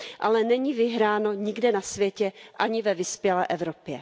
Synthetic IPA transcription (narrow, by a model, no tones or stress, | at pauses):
ʔalɛnɛɲivɪɦɾaːno̞ɲɪɡdɛnasvjɛcɛʔaɲɪvɛvɪspjɛlɛ̰ːʔɛvɾopjɛ